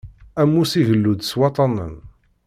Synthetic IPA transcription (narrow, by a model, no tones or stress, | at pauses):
æmːusivəlːud̪swɑt̪ˤɑnə̰n